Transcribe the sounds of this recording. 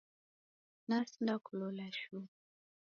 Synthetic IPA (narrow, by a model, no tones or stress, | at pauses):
nasindakulɔlaʃu